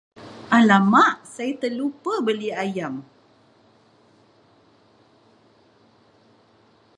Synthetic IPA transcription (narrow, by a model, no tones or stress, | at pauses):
ʔalamaʔsait̪əlupəbəliajam